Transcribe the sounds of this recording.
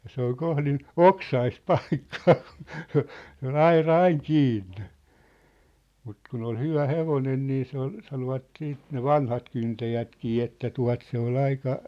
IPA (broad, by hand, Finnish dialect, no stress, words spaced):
jɑ se ol kohlin oksɑist pɑi̥kːɑ̥ː ku̥n̥ se ol ɑirɑ ɑiŋ kiːnːe̥ mut kun ol hyʋæ heʋonen niː se ol sɑnoʋɑt siːt ne ʋɑnhɑt kyntæjætkiː etːæ tuɑ̝t se ol ɑikɑ